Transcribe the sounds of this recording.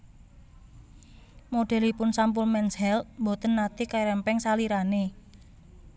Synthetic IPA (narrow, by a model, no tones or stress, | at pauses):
moɖ̥ɛ̤lipʊnsamp̬ʊlmɛnshɛlmbot̪ənːat̪ikajɾɛmpɛŋsaliɾane